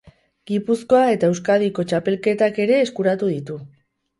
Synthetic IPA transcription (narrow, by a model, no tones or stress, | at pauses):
ɡipusko̞ae̞t̪ae̞wskað̞iko̞t͡ʃape̞lke̞t̪ake̞ɾe̞ːskuɾat̪uð̞it̪u